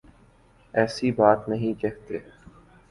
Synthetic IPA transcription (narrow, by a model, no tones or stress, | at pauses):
ɛːsibaːt̪nɐɦĩkɛɦt̪eː